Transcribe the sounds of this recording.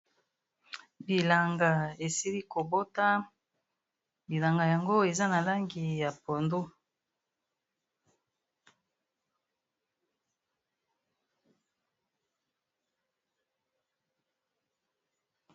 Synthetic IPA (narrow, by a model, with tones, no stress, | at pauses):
bi˨la˨ŋɡa˨e˨si˦li˦ko˨bo˦ta˦ | bi˨la˨ŋɡa˨ja˨ŋɡo˦e˨za˦na˨la˦ŋɡi˨ja˨po˨ndo˦